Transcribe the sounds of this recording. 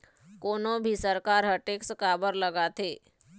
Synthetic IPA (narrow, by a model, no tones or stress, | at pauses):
koːnõbʱisəɾkaːɾɦəʈeːkskaːbəɾləɡat̪ʰeː